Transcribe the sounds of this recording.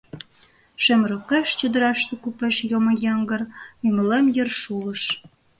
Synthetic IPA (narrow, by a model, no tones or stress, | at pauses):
ʃĕmɾokeʃt͡ɕəd̪ə̆ɾɑʃt̪ĕkupeʃjomojɑŋɡərymə̆lemjərʃulə̆ʃ